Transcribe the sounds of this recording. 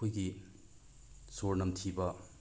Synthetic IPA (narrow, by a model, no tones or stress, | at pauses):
ojɡi | soɾnɐmtʰibɐ